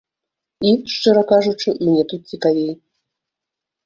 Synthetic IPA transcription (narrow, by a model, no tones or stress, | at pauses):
iʂt͡ʂɨɾɐkaʐut͡ʂɨmnʲɛt̪ut̪̚t͡sʲikavʲej